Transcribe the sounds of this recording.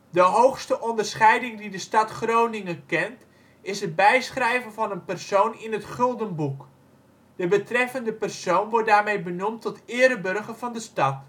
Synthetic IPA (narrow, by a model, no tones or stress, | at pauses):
dəɦowxstəʔɔndərsχɛjdɪŋdidəstɑtχrownɪŋəkɛnt | ɪsɦəd̚bɛjsχrɛjvənvɑnənpɛrsownɪnətχɵlˠdənbuk | d̥əbətrɛfəndəpɛrsownʋɔrt̚daːrmejbənumtɔtɪːɾəbɵrɣəv̥ɑndəstɑt